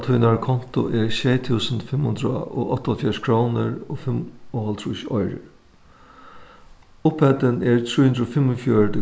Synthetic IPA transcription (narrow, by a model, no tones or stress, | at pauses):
lt̪ʰuːnaɹkʰɔn̥t̪ʊ̰ʔɛɹsɛːt̪ʰuːsənfɪmhʊnd̪ɾaɔ̰ʔɔht̪ɔlfjaʂkʰɹoːnɪɹɔfɪmɔhɔlt̪ʰɾuʃɔjɾɪ̰ɹ | ʊphɛt̪ɪnɛɹt̪ʰɾuːhʊnd̪ɾofɪmːɔfjœɹt̪ɪ